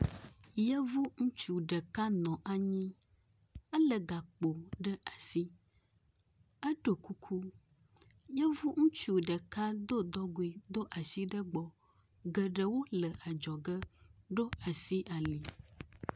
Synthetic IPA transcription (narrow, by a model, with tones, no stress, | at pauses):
jə˦vu˦ŋũ˦t͡ʃu˨ɖə˨ka˦nɔ̃˨ʔa˨ɲĩ˦ | ə˦lə˨ɡa˨k͡po˨ɖə˦ʔa˨si˦ | ə˦ɖo˨ku˦kʰu˦ | jə˦vu˦ŋũ˦t͡ʃu˨ɖə˨ka˦d̪o˦d̪ɔ˦ɡo˨i˨d̪o˦ʔa˨si˦ɖə˦ɡ͡bɔ˨ | ɡə˨ɖə˨wo˦lə˨ʔa˨d͡ʒɔ˨ɡə˦ɖo˦a˨si˦ʔa˨li˨